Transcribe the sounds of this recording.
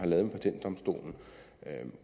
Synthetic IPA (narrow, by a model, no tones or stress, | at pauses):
hɑ̈lɛːðˠmpʰæt͡sʰen̰d̥ɒ̽msd̥o̝̰ːln̩